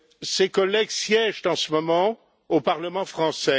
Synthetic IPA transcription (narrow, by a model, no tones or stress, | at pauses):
sekɔlɛɡsjɛʒt̪ɑ̃səmɔmɑ̃ | opaʁləmɑ̃fχɑ̃sɛ